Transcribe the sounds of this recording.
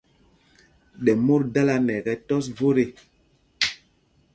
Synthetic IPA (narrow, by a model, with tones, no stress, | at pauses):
ɗɛ˨mo˦ɾda˦la˦nɛ˨ɣɛ˨tɔ˦svo˦ɾe˦˨